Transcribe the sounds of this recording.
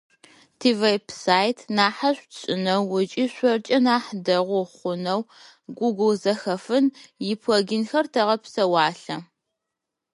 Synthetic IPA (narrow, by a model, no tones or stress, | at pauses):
tʰivejpʰsaːjtʰnaːħaɕʷɕʼɪnɐwːʊt͡ʃʼiɕʷɔrt͡ʃʼɐnaːħdɐʁʷʊχʷʊnɐw | ɡʷuɡʷʊlzɐxɐfɨnjɪpʰwɔɡɪnxɐrtʰɐʁɐpsɐwɑːɬɐ